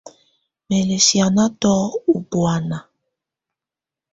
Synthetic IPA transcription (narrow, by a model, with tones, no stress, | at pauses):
me˨le˨si˨a˨na˦tɔ˦u˨bwa˨na˨